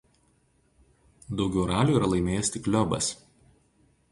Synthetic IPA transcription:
d̪ɒʊɡʲɛʊɾɑːlʲuːˑiːɾɐlˠɐɪmʲeːjɛst̪ʲɪklʲɔbɐ̰s

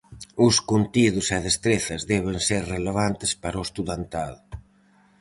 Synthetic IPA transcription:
ʊskunt̪iðʊseð̞est̪ɾeθɐzðɛβ̞eŋseɾreleβ̞ant̪ɪspaɾoest̪uðant̪aðʊ

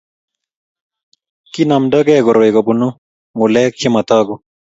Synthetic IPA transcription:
kinɐmɖɐɡeːɡoɾoiɡɐbunu | muleːk̚t͡ɕʰemɐt̪aːɡu

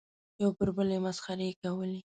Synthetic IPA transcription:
jawpəɾbəlemasxaɾekawəli

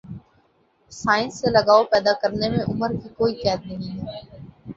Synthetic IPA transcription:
saːɪ̃nsːẽləɡaːopɛːd̪aːkəɾnemẽʔʊməɾkikoːik̪ɛːd̪nəɦĩːɛː

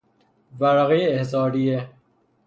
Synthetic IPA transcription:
væɾæɣejeːhsɑːɾie

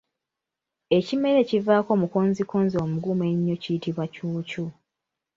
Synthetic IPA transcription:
e̞cime̞le̞civaːko̞ːmukonzikoːnzio̞ːmuɡume̞ɲːo̞citiβwacuːcu

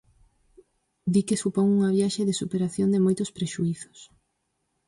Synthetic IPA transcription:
d̪ikesupoŋuŋɐβjaʃeðɪsupeɾaθjond̪emojt̪ʊspɾeʃuiθʊ̥s

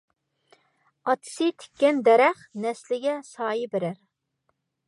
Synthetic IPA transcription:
ɑt̪ʰɨ̥sɨt̪ʰe̥kʲːɛnd̪ɛɾɛχnɛslɪɡʲɛsɑːjibɪɾæɾ

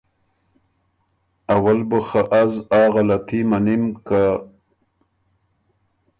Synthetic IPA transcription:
awalbəxaʔazɑːɣalat̪ʰimanimka

